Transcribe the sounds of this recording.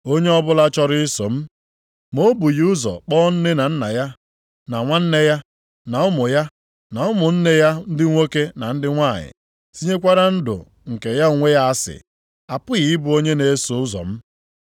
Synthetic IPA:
o˦ɲe˦ɔ˦bʊ˦la˦t͡ʃɔ˦ɾɪ˦so̰˨m̩˦ | mo˦bu˨jʊ˦zɔ̰˨k͡pɔː˦n̩˦nɪ˦na˨n̩˦na̰˨ja˦ | na˨ŋʷa˦n̩˦ne˦ja˦ | na˨ʊ˦mʊ˨ja˦ | na˨ʊ˦mʊ˨n̩˦ne˦ja˦n̩˦dɪ˦ŋʷe˦ke˦na˨n̩˦dɪ˦ŋʷa˦˨ɲɪ̰˨ | si˦ɲe˦kʷa˦ɾa˦n̩˦dʊ̰˨ | ŋ̩˨ke˨ja˦˨ŋʷe˦ja˦a˦sɪ̰˨ | a˨pʊ˦ɣi˨ɪ˦bʊ˦o˦ɲe˦ne˨˦so˨ʊ˦zɔ̰˨m̩˦

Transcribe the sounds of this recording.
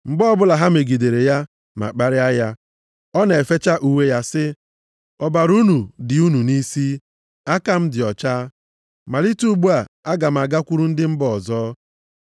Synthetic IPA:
ŋ͡m̩˨ɡ͡bɔ˦bʊ˦la˨ɦa˦m̩e˨ɡi˨de˨ɾe˨ja˦ | ma̰˨k͡pa˦ɾɪ˦a˦ja˦ | ɔ˦ne˨fe˦t͡ʃa˦ʔu˦we˦ja˦sɪ˦ | ɔ˨ba˨ɾu˦nu˨dɪ˨u˦nu˨ni˦si˦ | a˦ka˦m̩˦dɪ˨ɔ˨t͡ʃaː˦ | ma˨li˦tu˦ɡ͡bu˦a˨a˦ɡa˨m̩˨a˨ɡa˦kʷu˦ɾu˦n̩˦dɪ˦m̩˦bɔ˨zɔː˦

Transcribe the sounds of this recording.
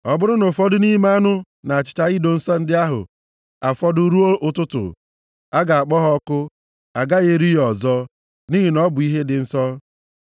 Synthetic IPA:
ɔ˨bʊ˦ɾʊ˦no˨fɔ˦dʊ˦ni˦ma˦a˦nʊ˦ | na˨a˨t͡ʃɪ̥˨t͡ʃa˦ɣɪ˦do˨n̩˦sɔ˦n̩˦dɪ˦a˦ɦʊ̰˨ | a˨fɔ˦dʊ˦ɾu˦o˦ʊ˦tʊ˦tʊ̰˨ | a˦ɡa˨a˨k͡pɔ˦ɦɔ˦kʊ˦ | a˨ɡa˦ɣe˦ɾi˦ɦɔ˨zɔ˦ | ni˦ɦi˨nɔ˦bʊ˨i˦ɦe˦dɪ˨n̩˦sɔ˦

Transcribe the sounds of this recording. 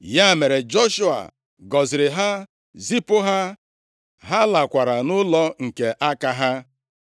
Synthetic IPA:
ja˦˨me˨ɾe˨d͡ʒɔ˦ʃu˦a̰˨ | ɡɔ˨zɪ˨ɾɪ˨ɦa˦ | zi˦pʊ˦ɦa˦ | ɦa˦la˨kʷa˨ɾa˨nʊ˦lɔ˦ŋ̩˨ke˨ʔa˦ka˦ɦa˦

